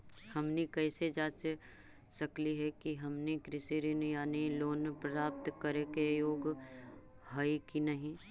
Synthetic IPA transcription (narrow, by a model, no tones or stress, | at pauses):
hɐmnikɛːsed͡ʒaːt͡ʃ | sɐkliɦɛkiɦɐmnikɾɪsiɾinjaːniloːnpɾaːp̚t̪kəɾekejoːɡ | ɦaikinɐɦĩ